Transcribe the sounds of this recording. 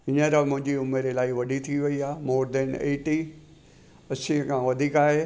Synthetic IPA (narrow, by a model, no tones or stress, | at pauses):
ɪnə̃ɾamʊ̃ɦɪ̃ɲd͡ʑiʊmeɾelaːɪʋɐɗʱit̪ʰiʋɐiaːmoːɾd̪əneːʈi | ɐsĩkʰãʋɐd̪ʱiːkaːɦeː